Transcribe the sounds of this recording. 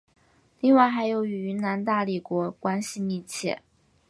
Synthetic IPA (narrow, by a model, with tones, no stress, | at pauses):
li˥˧ŋwa˥˩ɪxa˧˥ɪjo˧˥ʊy˧˥y˧˥na˧˥nt̪a˥˩li˨˩kwɔ˧˥kwa˥nɕi˧mi˥˧t͡ɕʰjɛ̰˥˩